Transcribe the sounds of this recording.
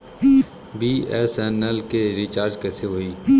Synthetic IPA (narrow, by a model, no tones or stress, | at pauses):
biːɛːsɛːnəlkeɾit͡ʃaːɾd͡ʒkɛːseɦoːiː